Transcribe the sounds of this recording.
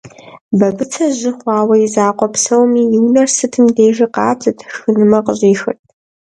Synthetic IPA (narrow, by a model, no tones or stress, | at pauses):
bɐbɨt͡sʰɐʑɪχʷɑːwɐjizaːqʷɔpsɐwmiːjɪwnɐrsɨtʰɨmdeːʒɪqɑ̰ːt͡sʰʼɨtʰxɨnɨmɐqəɕʼiːxɨ̰tʼ